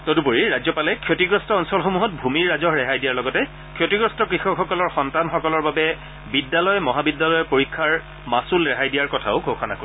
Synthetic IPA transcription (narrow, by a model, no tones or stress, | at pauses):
todupoɹiɹazɔpalɛkʰjotiɡɹɔstɔːnsɔlxomuɦɔt̚bʱumiɹːazɔhɹɛɦajdijaɹlɔɡɔtɛ | kʰjotiɡɹɔstɔkɹixɔkxɔkɔlɔɹxɔntanxɔkɔlɔɹbabɛ | bidːalɔjmɔɦabidːalɔjɛpoɹikʰːaɹ | masulɹɛɦajdijaɹkɔtʰa̰ʊɡʱokʰana̰ko